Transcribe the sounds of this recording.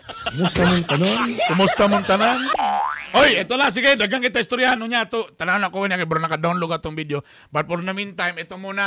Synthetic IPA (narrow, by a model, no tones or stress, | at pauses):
kkʊmust̪amʊnt̪ɐnonkʊmust̪amʊnt̪ananʔojɛt̪olas̬iɡajd̪aɡaŋkɪt̪aist̪oɾjahanʊɲat̪ot̪ananakoanakɛbaɾnɐkad̪anloɡat̪oŋbid̪jo | bat̪̚pɔɾnamint̪ajmɛt̪omuna